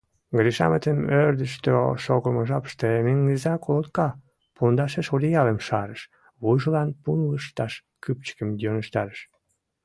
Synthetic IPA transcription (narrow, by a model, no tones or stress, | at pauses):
ɡɾiʃɑ̰mət̪əmøɾd̪əʃt̪øʃoɣəməʒɑpə̥ʃt̪emeŋːəzɑkolot̪kɑ | pund̪ɑʃeʃolʲijɑlemʃɑɾəʃ | βujʒəlɑnpunləʃt̪ɑʃ | kyp̚t͡ɕə̥kəmd̪onəʃt̪ɑɾəʃ